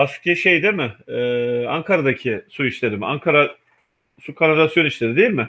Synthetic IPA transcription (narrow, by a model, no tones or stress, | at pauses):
aʃɯ̥k̚eʃejd̪emɪɛaŋkʰaɾad̪acʰɪsuit͡ʃlʲe̞ɾima̰ŋkʰaɾa | sukʰanaɾasjo̞niʃlʲe̞ɾid̪ejilʲmɪ